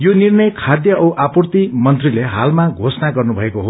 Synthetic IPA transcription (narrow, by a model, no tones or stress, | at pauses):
jonirnʌjkʰad̪jʌʔʌwʔapurt̪imʌnt̪rileɦa̰lmaɡʱosnaɡʌrnubʱʌekoɦo